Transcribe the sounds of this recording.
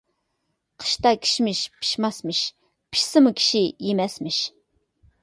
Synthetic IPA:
qʰə̥ʃt̪ɑkʲʰi̥ʃmɪʃpʰi̥ʃmɑsmɪʃ | pʰi̥ʃsɨmukʲʰi̥ʃijemɛsmɪʃ

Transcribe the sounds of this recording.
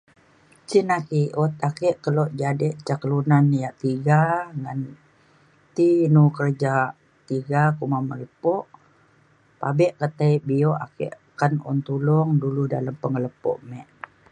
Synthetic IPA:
t͡ʃinakiʔɔt̪̚akɛʔkəlɔʔd͡ʒadɛʔt͡ʃakəlunanjaʔt̪iɡaŋan | t̪inukərd͡ʒa | t̪iɡakumamələpɔʔ | pabɛʔkət̪ajbiɔʔakɛ̰ʔ | kanɔ̰nt̪ulɔŋduluda̰ləmpəŋələpɔ̰ʔmɛʔ

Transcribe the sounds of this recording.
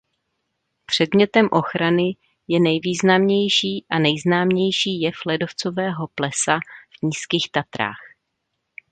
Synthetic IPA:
pr̝̥ɛdmɲɛt̪ɛmʔo̞xɾanɪ | jɛnɛjviːznamɲɛjʃiːʔanɛjznaːmɲɛjʃiːjɛflɛdo̞ft͡sovɛːɦo̞plɛsav̥ɲiːskiːxt̪at̪ɾa̰ːx

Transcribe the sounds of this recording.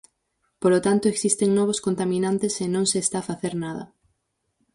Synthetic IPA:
polot̪ant̪ʊeksist̪eŋnɔβ̞ʊskont̪amĩnant̪esenõŋseːst̪aːfaθeɾnaðɐ̰

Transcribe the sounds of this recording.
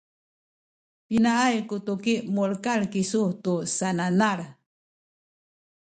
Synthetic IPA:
pinaajkutukiʔmuɭkaɭkisutusananaɾ

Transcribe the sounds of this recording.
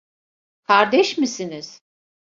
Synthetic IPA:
kʰaɾd̪ɛʃmisiniz̥

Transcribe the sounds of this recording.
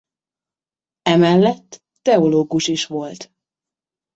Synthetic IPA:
ɛmɛlːɛt̪ːɛo̞loːɡuʃiʃʋo̞lt̪

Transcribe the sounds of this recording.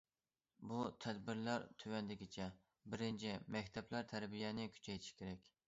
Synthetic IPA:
but̪ʰɛd̪bɪɾlæɾt̪ʰywɛnd̪ɪkʲɪt͡ʃʰɛ | bɪɾɪnt͡ʃʰimɛkʲt̪ʰɛplæɾt̪ʰæɾbijɛnɪkʲʰy̥t͡ʃʰɛjt̪ʰɪ̥ʃkʲeɾɛkʲ

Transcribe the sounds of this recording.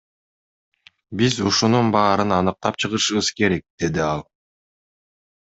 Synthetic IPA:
bizuʃununbɑːɾɯnɑnɯq̚t̪ɑp̚t͡ʃʰɯʁɯʃɯβɯz̥ke̞ɾe̞k̚d̪̥e̞d̪iɑlˠ

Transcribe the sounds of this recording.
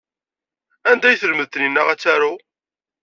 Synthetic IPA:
ænd̪æjθəlməðt̪əninːəʁæt͡sːæɾu

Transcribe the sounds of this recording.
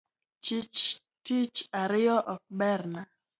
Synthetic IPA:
t͡ʃit͡ʃ | tit͡ʃaɾɪɔʔɔk̚bɛrna

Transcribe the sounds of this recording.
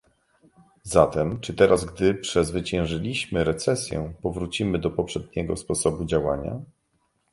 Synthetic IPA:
zat̪ɛmt͡ʂɘt̪ɛɾazɡd̪ɘpʂɛzvɘt͡ɕɛ̃w̃ʐɘlʲiɕmɘɾɛt̪sɛsʲjɛ̰pɔvɾut͡ɕimɘd̪ɔpɔpʂɛd̪̚ɲɛɡɔspɔsɔbud͡ʑawaɲa̰

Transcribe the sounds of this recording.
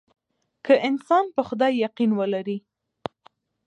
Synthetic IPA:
kʰəʔɪnsɑnpəxʊd̪ɑjːaqinwəlaɾi

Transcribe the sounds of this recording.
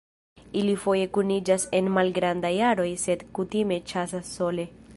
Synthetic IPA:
ilifo̞je̞kunid͡ʒase̞nmalɡɾandajaɾo̞jse̞dkutime̞t͡ʃas̬asːo̞le̞

